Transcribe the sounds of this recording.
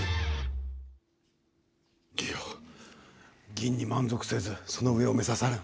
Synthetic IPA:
ɡʲijo | ɡʲĩɲ̟ːimãnzokɯ̥se̞d͡zɨsono̞ɯe̞ome̞sasaɾɯ

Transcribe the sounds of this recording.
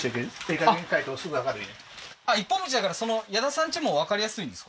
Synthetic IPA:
ekeekaɡẽŋkait̪oːsɨɡɯakad̪eine | aipːõmɯt͡ɕid̪akaɾaso̞no̞jad̪asãɲ̟t͡ɕimo̞βakaɾʲijasɨĩnd̪esk

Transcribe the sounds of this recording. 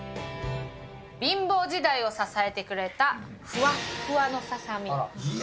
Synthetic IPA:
bʲĩmbo̞ːʑid̪aio̞sasae̞t̪e̞kɯ̟ɾe̞t̪a | ɸɯ̟βaɸɯ̟βano̞sasamʲi

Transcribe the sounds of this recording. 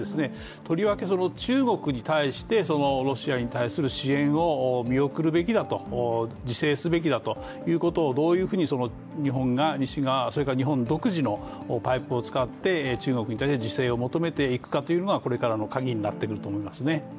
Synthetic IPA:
esɨne | t̪ʰo̞ɾʲiβake̞so̞no̞t͡ɕɨːɡo̞kɯ̟ɲ̟it̪aiɕi̥t̪e̞so̞no̞ɾo̞ɕiaɲ̟it̪aisɨɾɯ̟ɕiẽ̞ɰ̃o̞mʲio̞kɯ̟ɾɯ̟be̞kʲid̪at̪o̞d͡ʑise̞ːsɨbe̞k̬ʲid̪at̪o̞ | jɯ̟ːko̞t̪o̞ːd̪o̞ːjɯ̟ːɸɯ̟ːɲ̟iso̞no̞ | ɲ̟iɦõ̞ŋɡaɲiɕiɡaso̞ɾe̞kaɲ̟iɦõ̞nd̪o̞kɯ̟ʑino̞ː | paipɯ̟ot͡sɨ̥kat̪ːe̞t͡ɕɨːŋo̞kɯ̟ɲ̟it̪aiɕt̪e̞d͡ʑise̞ːo̞mo̞t̪o̞me̞t̪e̞ikɯ̥kat̪o̞jiɯ̟no̞ɡako̞ɾe̞kaɾano̞kaɡʲiɲ̟inat̪ːe̞kɯ̟ɾɯ̟t̪oːmoimasɨne̞

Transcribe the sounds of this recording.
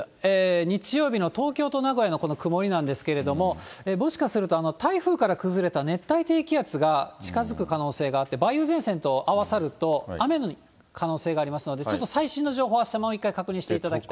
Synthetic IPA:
eːɲ̟it͡ɕijo̞ːbʲino̞t̪o̞ːkʲo̞ːt̪o̞naɡo̞jano̞kono̞kɯ̟mo̞ɾʲinãnd̪e̞sɨ̥ke̞ɾe̞d̪o̞mo̞eːmo̞ɕi̥kasɨɾɯ̟t̪o̞ano̞t̪aiɸɯ̟ːkaɾakɯ̟zɨɾe̞t̪ane̞t̪ːait̪e̞ːkʲiat͡sɨɡat͡ɕi̥kazɨkɯ̟kano̞ːse̞ːɡaːt̪ːe̞baiɯ̟ːzẽ̞ɰ̃sẽ̞nt̪o̞ʔaβasaɾɯ̟t̪o̞ame̞no | kʰano̞ːse̞ːɡaːɾʲimasɨno̞d̪e̞t͡ɕo̞t̪ːosaiɕĩnːo̞ʑo̞ːɦo̞ːβaɕi̥t̪amoːikːaikakɯ̟ɲ̟ĩɕi̥t̪eit̪ad̪akki̥t̪a

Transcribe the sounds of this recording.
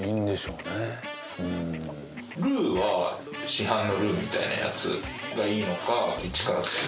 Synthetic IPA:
ind̪e̞ɕo̞ːne | ɯ̃ | ɾɯ̟ːβa | ɕiɦãnːo̞ɾɯ̟ːmʲit̪a̰ina̰ja̰t͡sɨ̰ɡaiːno̞kait͡ɕi̥kaɾat͡sɨ̥k

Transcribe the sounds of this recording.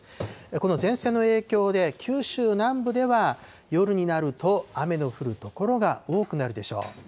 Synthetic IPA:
ko̞no̞zẽ̞ɰ̃se̞ːnoe̞ːkʲo̞ːd̪e̞kʲʰɨːɕɨːnãmbɯ̟d̪e̞βa | jo̞ɾɯ̟ɲ̟inaɾɯ̟t̪o̞ame̞no̞ɸɯ̟ɾɯ̟t̪o̞ko̞ɾo̞ɡao̞ːkɯ̟naɾɯ̟d̪e̞ɕo̞̰ː

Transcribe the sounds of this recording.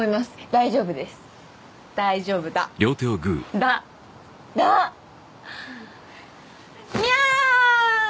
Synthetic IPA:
imasɨ̥d̪aiʑo̞ːbɯ̟d̪e̞sɨ̥ | d̪̥aiʑo̞ːbɯ̟d̪a̰ɾʲjo̞ːt̪eoɡɯ̟̰ːd̪a | d̪a | mia

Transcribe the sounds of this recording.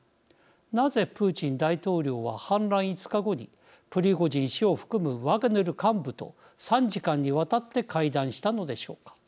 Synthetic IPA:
naze̞pɯ̟ːt͡ɕĩnd̪ait̪o̞ːɾʲo̞ːβahãnɾãɰ̃it͡sɨ̥kaɡo̞ɲ̟i | pɯ̟ɾʲiɡo̞ʑĩɰ̃ɕio̞ɸɯ̟̥kɯ̟mɯ̟βaɡɯ̟neɾɯ̟kãmbɯ̟t̪o̞̰ | sãɲd͡ʑikãɲ̟ːiβat̪at̪ːe̞kʰaid̪ãɰ̃ɕi̥t̪ano̞d̪e̞ɕo̞ːkḁ

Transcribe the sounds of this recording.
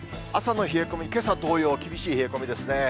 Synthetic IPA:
asano̞çieko̞mʲike̞sad̪o̞ːjo̞ːkʲibʲiɕiːçieko̞mʲid̪e̞sɨne̞

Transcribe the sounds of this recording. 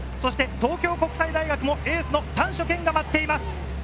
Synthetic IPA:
so̞ɕi̥t̪e̞t̪o̞ːkʲo̞ːko̞kɯ̟said̪aiɡakɯ̟mo̞eːsɨno̞t̪ãɰ̃ɕo̞kẽ̞ŋɡamat̪ːe̞imasɨ̥

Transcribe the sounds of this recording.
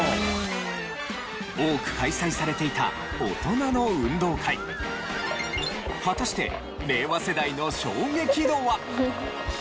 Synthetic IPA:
oːkɯ̟̥kaisaisaɾe̞t̪e̞it̪a̰ | ot̪o̞nano̞ɯ̟̃nd̪o̞ːkʰaḭ | ɸat̪aɕi̥t̪e̞̰ | me̞ːβase̞d̪aino̞ɕo̞ːɡe̞kʲid̪o̞ːβa

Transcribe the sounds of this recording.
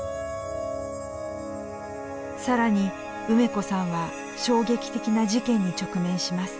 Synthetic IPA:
saɾaɲ̟i | ɯ̟me̞ko̞sãɰ̃βa | ɕo̞ːɡe̞kʲi̥t̪e̞kʲinaʑikẽ̞ɲ̟ːit͡ɕo̞kɯ̟mẽ̞ɰ̃ɕimasɨ̥

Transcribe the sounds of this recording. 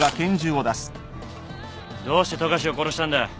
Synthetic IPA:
ɡakẽ̞ɲd͡ʑɨːo̞d̪asɨ̥ | d̪o̞ːɕi̥t̪e̞t̪oɡaɕ̬iokoɾoɕi̥t̪ãnd̪a

